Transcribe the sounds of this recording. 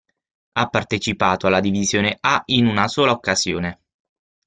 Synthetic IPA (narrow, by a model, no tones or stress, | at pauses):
apːart̪et͡ʃipaːt̪oalːad̪ivizjoːneʔainunasoːlaokːaz̥jo̰ːne